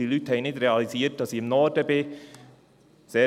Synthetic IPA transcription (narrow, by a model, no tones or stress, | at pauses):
d̥ilyːtəhɛɪnɪtɾeɑliziːt̚d̥ɑsiːɪmnɔdəbe | z̥eː